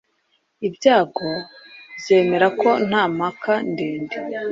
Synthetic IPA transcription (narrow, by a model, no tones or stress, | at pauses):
ibjaːɡo̞bje̞ːme̞ɾako̞n̥aːmakandeːnde